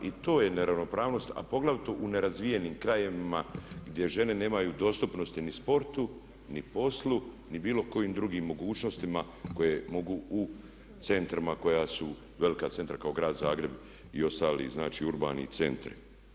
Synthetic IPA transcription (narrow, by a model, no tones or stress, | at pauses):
it̪o̞ːje̞neɾaʋno̞pɾaːʋno̞st̪a̰po̞ɡlˠaʋt̪oʔune̞ɾazʋije̞niːmkɾajeʋimaɡd̪je̞ʒe̞ne̞ne̞ːmajud̪o̞st̪upno̞st̪inispo̞ɾt̪u | nipo̞slˠu | nibiːlo̞ko̞jiːmd̪ɾuɡiːmːo̞ɡuːt͡ʃno̞st̪ima | ko̞jemo̞ɡuu | t̪se̞nt̪ɾimako̞jasu | ʋe̞likat̪se̞nt̪ɾakaoɡɾaːd̪zaːɡɾe̞b | io̞st̪aːlḭːznaːt͡ʃiːuɾba̰ːnḭt̪se̞̰nt̪ɾ̰